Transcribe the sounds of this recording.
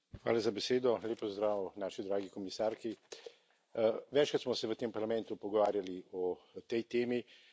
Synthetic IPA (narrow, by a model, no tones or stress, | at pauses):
xʋa̰ːlazabɛseːd̪ɔlʲeːpɔzd̪ɾaːwnaːʃid̪ɾaːɡikɔmisaːɾki | ʋɛt͡ʃkat̪smɔsɛʋət̪empɐɾlamɛ̃nt̪upɔɡɔʋaːɾjaliɔt̪ɛjt̪eːmi